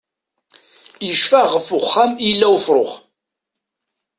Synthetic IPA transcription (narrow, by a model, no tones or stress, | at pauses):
jəʃfæʁfʊχːæmilːæwfɾˤoχ